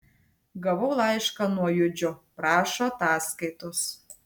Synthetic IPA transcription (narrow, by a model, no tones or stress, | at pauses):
ɡɑβowlˠɑjʃkɑnojod͡ʑoprɑʃot̪ɑskəjt̪os